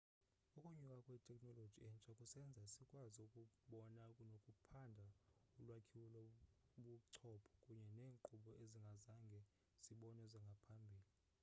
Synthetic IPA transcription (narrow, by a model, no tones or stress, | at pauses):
ukʼuɲukʼakʼwɛtʰʼɛkʼnɔlod̥ʒ̥ʱiɛnt͡ʃʼakʼusɛnd͡zʱaisikʼwaziukʼuɓɔnakʼunokʼupʰandʱaulwakʰiwulɔɓuǀʰɔpʰɔ̥kʼuɲɛneːŋǃuɓɔeziŋɡʱazaŋɡʱɛ | z̥iɓɔnɛziŋɡʱapʰambʱiːli